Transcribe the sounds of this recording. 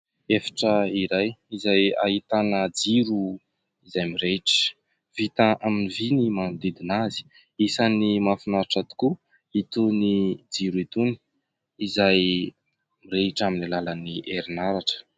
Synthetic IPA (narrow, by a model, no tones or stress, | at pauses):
efḁʈ͡ʂəiɾajizaja̰ɦit̪anəd͡ziɾu | izajmiɾeiʈ͡ʂə̥ | vit̪aʔaminivinimand̪id̪inazi̥ | isanimafinaɾaʈ͡ʂat̪u̥ku | it̪unid͡ziɾuit̪uni̥ | izaj | miɾeiʈ͡ʂaminilalaniʔeɾinaɾaʈ͡ʂə̥